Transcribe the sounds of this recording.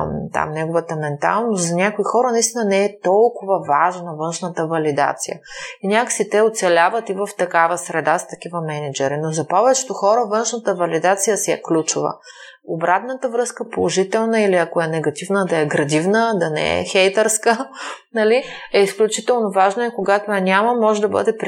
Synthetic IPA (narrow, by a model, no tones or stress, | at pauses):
t̪a̰mnɛɡʊvət̪əmɛnt̪a̰lˠnost̪zɐnʲakoixɔɾənɐist̪inənɛɛt̪ɔlˠkʊvɐvaʒnɐvɤnʃnət̪əvɐlid̪a̰t̪sḭjə̰inʲakə̥sit̪ɛoʊt̪sɛlʲavət̪ivəft̪ɐkavəsɾɛd̪ast̪ɐk̟ivəmɛnid͡ʒɛɾinozɐpɔvɛt͡ʃɛ̥t̪oxɔɾəvɤnʃnət̪əvɐlid̪at̪sijəsiɛ̰klʲut͡ʃʊvə̰ | obɾat̪nət̪əvɾɤskəpolˠoʒit̪ɛlˠnəiliɐkoɛnɛɡɐt̪ivnəd̪ɐɛɡɾɐd̪ivnəd̪ɐnɛ̰ɛ̰xɛjt̪ɛɾskənɐliɛisklʲut͡ʃit̪ɛlˠnovaʒnəɛkoɡat̪oɛnʲamɐmɔʒɛd̪ɐbɤ̰d̪ɛpɾ